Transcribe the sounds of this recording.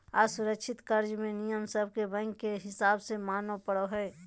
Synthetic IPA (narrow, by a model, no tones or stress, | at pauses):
aːsʊɾəkʃʰɪt̪kəɾd͡ʒmẽnijəmsəb̚kebə̃ŋkkeɦɪsaːbsemaːnopəɽoɦɛː